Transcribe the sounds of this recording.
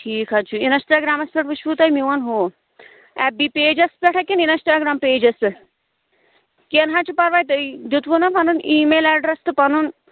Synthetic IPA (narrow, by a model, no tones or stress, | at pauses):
ʈʰiːkʰat͡ʃʰuinɐsʈaːɡɾaːmɐspʲeʈput͡ʃʰput̪ajmiʋɐnɦoː | ɛp̚bipeːd͡ʒɐspɛʈʰakeninɐsʈaːɡɾaːmpeːd͡ʒɐst̪ɨ | kenɦat͡ʃupɐɾʋaːjt̪ɨid̪ut̪ʋunɐpɐnuniːmeːlɛɖɾɐst̪ɨpɐnun